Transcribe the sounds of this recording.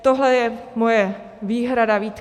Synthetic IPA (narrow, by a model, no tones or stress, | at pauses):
t̪oɦlɛjɛmojɛ | viːɦɾadaviːt̪